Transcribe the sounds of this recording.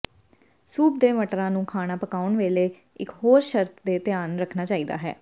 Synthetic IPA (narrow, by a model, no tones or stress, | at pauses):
suːp̚d̪eːməʈɾãːnũːkʰaːñaːpəkaːʊɳʋeːleː | ɪkɦoːɾʃəɾt̪ʰd̪eːt̪ɪjaːnɾəkʰnaːt͡ʃaːiːd̪a̰ːɦɛ̰ː